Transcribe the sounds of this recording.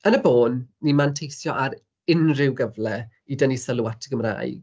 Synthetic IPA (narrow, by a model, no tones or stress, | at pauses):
ənəboːnːimantʰejsjɔʔaɾ | ɪnrɪwɡəvlɛ | idənisəlˠuwatʰəɡəmra̰ɨɡ̥